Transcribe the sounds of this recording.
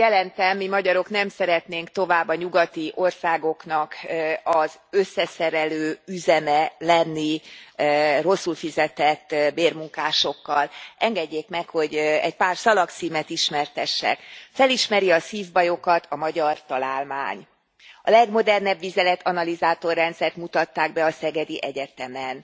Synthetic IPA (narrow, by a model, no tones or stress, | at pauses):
jɛlɛnt̪ɛmːimɒɟɒɾo̞knɛmsɛɾɛt̪neːŋkt̪o̞vaːbːɒɲuɡɒt̪iʔo̞rsaːɡo̞kn̪ɒkɒzøsːɛsɛɾɛløːyzɛnɛlɛnːi | ro̞sːulfizɛt̪ɛt̪ːbeːrmuŋkaːʃo̞kːɒlʔɛŋɡɛɟːeːkmɛkho̞ɟɛ̰ɟpaːrsɒlɒkt̪siːmɛt̪iʃmɛrt̪ɛʃːɛ̰kfɛliʃmɛɾiɒsiːvbɒjo̞kɒt̪ʰɒmɒɟɒrt̪ɒlaːlma̰ːɲ | ɒ̰lɛɡmo̞d̪ɛrnɛbʋizɛlɛt̪ʰɒnɒlizaːt̪o̞rːɛnt̪sɛrt̪mut̪ɒt̪ːaːɡbɛɒsɛɡɛd̪iʔɛɟɛt̪ɛmɛn